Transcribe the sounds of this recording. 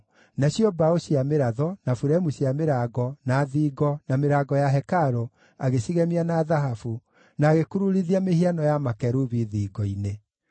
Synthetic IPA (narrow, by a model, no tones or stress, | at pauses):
naɕjɔbaoɕiameɾaðɔnafuɾɛmuɕiameɾaːɡɔnaːðiːɡɔnameɾaːɡɔjaɦɛkaɾo | aɣeɕiɣɛmianaːðaɦafu | naːɣekuɾuɾiðiamehianɔjamakɛɾuβiðiːɡɔine